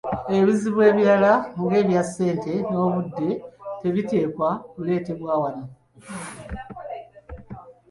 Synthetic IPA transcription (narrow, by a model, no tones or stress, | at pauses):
eβiziβwe̞ːβiɾalaŋɡe̞ːβjasːe̞ːnte̞no̞ːβudːe̞te̞βite̞ːkwaβule̞ːte̞βwaːwana